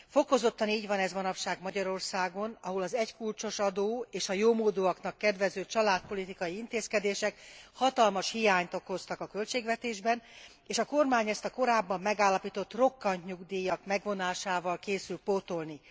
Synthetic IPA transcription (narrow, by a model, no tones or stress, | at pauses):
fo̞ko̞zo̞t̪ːɒniːɟʋɒnɛzʋɒnɒpʃaːɡmɒɟɒɾo̞rsaːɡo̞nɒɦolɒzɛckult͡ʃo̞ʃɒd̪oːeːʃɒjoːmoːd̪oɒknɒkːɛd̪ʋɛzøːt͡ʃɒlaːt̪̚po̞lit̪ikɒjiint̪eːskɛd̪eːʃɛkhɒt̪ɒlmɒʃhijaːɲt̪o̞ko̞st̪ɒkɒkø̞lt͡ʃeːɡʋɛt̪eːʒbɛn | eːʃɒko̞rmaːɲɛst̪ɒko̞ɾaːbːɒmːɛɡaːlːɒpiːt̪o̞t̪ːro̞kːɒnt̪ɲuɡd̪eːjɒkmɛɡʋo̞naːʃaːvɒlkeːsylt̪poːt̪o̞lni